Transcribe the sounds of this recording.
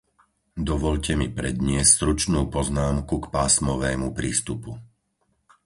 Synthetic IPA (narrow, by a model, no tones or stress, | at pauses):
d̪ɔʋɔʎcɛmipɾɛd̪ɲɪɛscst̪ɾut͡ʃnuːpɔznaːmkukpaːsmɔʋɛːmupɾiːst̪upu